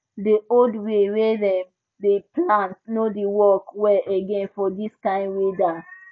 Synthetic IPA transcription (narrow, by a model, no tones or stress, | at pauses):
deoldwewedɛ̃m | deplãntnodiwɔkwɛʔeɡɛ̃nfɔdiskãɪ̃ndweda